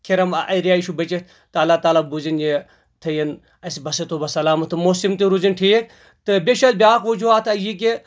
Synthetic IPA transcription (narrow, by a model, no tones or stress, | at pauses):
kʰiɾɐmɐjɾijaːiʃubɐt͡ʃi | t̪ɐlːaːt̪aːlaːbuzinje | t̪ʰɐjɐn | ɐsibɐset̪ʰoːbɐsɐlaːmɐt̪ʰɨmosimt̪iɾuzinʈʰiːk̪̚ | t̪ɨbʲeʃɐlbʲaːkʋɐd͡ʒuaːt̪ʰɐjik̬e